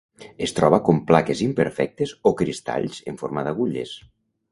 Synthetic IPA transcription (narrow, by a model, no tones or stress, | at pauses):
est̪ɾɔβ̞akomplakezimpəɾfɛk̚t̪ezokɾist̪a̰ʎz̥eɱfoɾmaðaɣ̞uʎḛs